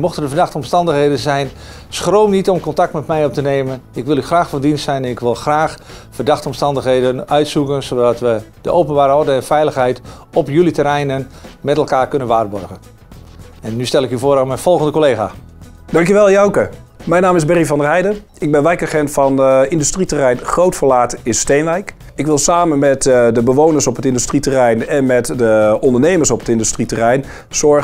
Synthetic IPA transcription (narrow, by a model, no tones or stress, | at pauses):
mɔxtərdəfərdaxtɔmstɑndəxɦeːdənzɛjn | sxrowmnitɔmkɔntak̚tmɛtmɛjɔp̚təneːmənɪkʋɪlˠyxraːxfɔndinstsɛjnɛnɪkʋɪlˠxraːxfərdaxtɔmstɑndəxɦejdənœɥtsukənsodɔtʋəd̥əʔowpənbaːɾəɔrdəɛnfɛjləxɦɛjt | ɔpjylitəɾɛjnənmɛtɛlˠkaːrkønənʋaːrbɔrɣən | ɛnːystɛlˠɪkyvoːɾamɛjnfɔlˠɣəndəkoleːɣaː | d̥ɑŋkjəʋɛlˠjawkə | mɛjnaːmɪzbɛrifɑndərɛjdər | ɪɡ̚bɛnʋɛjkaχɛntfɑnɪndystritərɛjnχrowtfəlaːtɪnstejnʋɛjk | ɪkʋɪlˠsaːmənmɛtdəbəʋownərsɔpətɪndystritərɛjnɛnmɛtdəɔndəɹnejməɹsɔpətɪndystritərɛjn | sɔɹ